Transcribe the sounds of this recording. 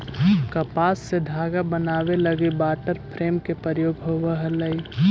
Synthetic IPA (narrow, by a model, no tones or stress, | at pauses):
kəpaːsːed̪ʱaːɡabənaːʋeləɡibaːʈəɾpʰɾeːmkepəɾjoːɡɦoʋəɦələi